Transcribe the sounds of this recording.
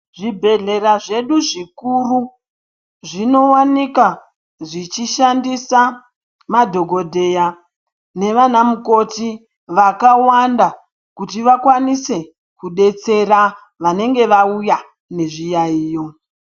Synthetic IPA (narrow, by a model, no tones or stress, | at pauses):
ʐibʱe̞ɮe̞ɾaʐe̞ɗuʐikuru | ʐino̞wanika | ʐit͡ʃiʃandisa | madʱo̞ɡʱo̞dʱe̞ja | ne̞ʋanamuko̞ti | ʋakawanda | kutiʋakwanise̞ | kuɗe̞t͡se̞ra | ʋane̞ŋɡe̞ʋauja | ne̞ʐijaiːjo̞